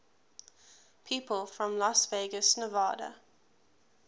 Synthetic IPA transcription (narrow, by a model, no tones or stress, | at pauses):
pʰiːˑpəlˠfɹə̃mlasveɡəsnəvɑːɾə̰